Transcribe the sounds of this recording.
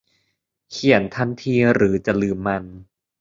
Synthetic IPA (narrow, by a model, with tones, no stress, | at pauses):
kʰi˨˩˦ə˦nt̪ʰa˧nt̪ʰiː˧ɾɯː˩˦t͡ɕa˨˩lɯː˨˩mːa˧n